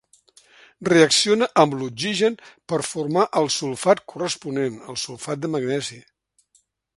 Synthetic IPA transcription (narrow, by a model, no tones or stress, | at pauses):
reəksionəʔəmblud͡ʒiʒənpəɾfurmaʔəlˠsulˠfat̪̚kʰurəspunenə̰lˠsulˠfat̪̚d̪əməɡnɛzi